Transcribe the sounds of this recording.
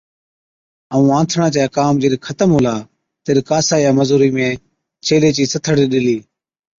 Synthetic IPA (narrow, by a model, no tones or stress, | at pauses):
əũːãːt̪ʰɳaːt͡ʃaːkaːmd͡ʒeɗkʰət̪əmɦʊlaː | t̪eɗkaːsaːjaːməzuːɾiːmẽː | t͡ʃʰeːleːt͡ʃiːsət̪ʰəɽ̤iːɗɪliː